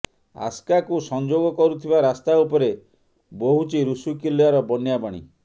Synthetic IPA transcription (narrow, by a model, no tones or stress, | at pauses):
a̰skakusɔnd͡ʒoɡɔkɔɾut̪ʰibaɾast̪aupɔɾe | boɦut͡ʃiɾusukilijaɾɔbɔnjabaɽ̃ḭ